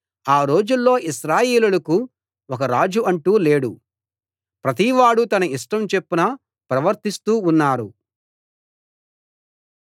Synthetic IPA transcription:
aːɾo̞ːd͡ʒulːo̞ːʔiʃɾaːjeːlulɐku | wɔkɐɾaːd͡ʒuʔɐɳʈuːle̞ːɽu | pɾɐt̪̬iʋaːɽut̪ɐnɐiʂʈɐmt͡ʃe̞pːinɐ | pɾɐʋɐɾt̪ist̪uːunːaːɾu

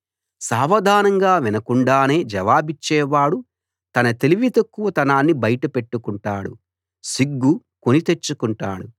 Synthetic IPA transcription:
saːʋɐd̪ʱaːnɐŋɡaːʋinɐkuɳɖaːne̞ːd͡ʒɐʋaːbit͡ʃːɛːʋaːɽu | t̪ɐnɐt̪e̞liʋit̪ɐkːuʋɐt̪ɐnaːnːibɐjɐʈɐpe̞ʈːukuɳʈaːɽṵ | siɡːu | konit̪e̞t͡ʃːukuɳʈa̰ːɽu

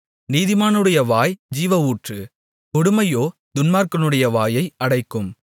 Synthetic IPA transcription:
niːðɪmaːnɯɽɐjɐʋaːjd͡ʒiːʋɐuːʈrɯ | kɔɽɯmɐjoːd̪ʊnmaːɾkɐnɯɽɐjɐʋaːjɐɪɐɽɐɪkːɯm

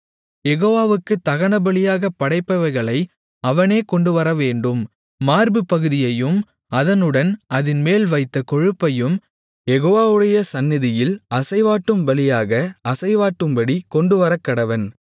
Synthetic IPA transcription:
jɛɣoːʋaːʋɯkːɯt̪ːɐɣɐnɐbɐɭɪjaːɣɐpːɐɽɐɪpːɐʋɐɾɣɐɭɐɪ | ɐʋɐneːkɔɳɖɯʋɐɾɐʋeːɳɖɯmː | aːɾbɯpːɐɣɯðɪjɐjɯm | ɐðɐnɯɽɐnʔɐðɪnmeːlʋɐɪt̪ːɐkɔɻɯpːɐjɯm | jɛɣoːʋaːʋɯɽɐjɐsɐnːɪðɪjɪlɐsɐɪʋaːʈːɯmbɐlɪjaːɣɐɐsɐɪʋaːʈːɯmbɐɽikɔɳɖɯʋɐɾɐkːɐɽɐʋɐn

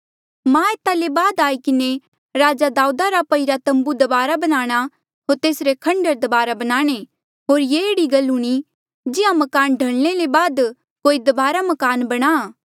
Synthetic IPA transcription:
mãeːt̪alebaːd̪aːikɪne | ɾaːd͡ʒad̪aːud̪aɾapɐiɾat̪ɐ̃mbud̪ɐbaːɾabɐnaːɽ̃a | ɦoːɾt̪eːsɾekʰɐ̃ɳɖəɾd̪ɐbaːɾabɐnaːɽ̃e | ɦoːɾjeeːɽiɡɐluɽ̃i | d͡ʒɪãmɐkaːnɖʱɐɭñelebaːd̪ | koːid̪ɐbaːɾamɐkaːnbɐɽ̃a

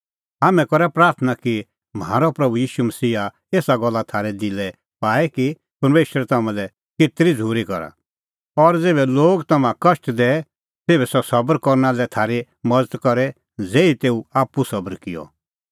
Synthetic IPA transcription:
ɦamɛ̃kɔɾɛpɾaːɾt̪ʰənaki | mɦa̰ːɾɔpɾɐbujiːʃumɐsiːɦa | eːsaɡɔlːat̪ʰaːɾɛd̪ɪlɛ | paːɛki | pɐɾmeːʃɾɛt̪amãlɛ | kɪt̪ɾid͡zʱuːɾikɔɾa̰ | ɔɾd͡zeːbɛloːɡt̪ɐmãkɐʃʈd̪ɛ | seːbɛsɔsɐbəɾkɔɾnalɛt̪ʰaːɾi | mɐd͡zət̪kɔɾɛ | d͡zeːit̪eːuaːpːusɐbəɾkɪjɔ̰

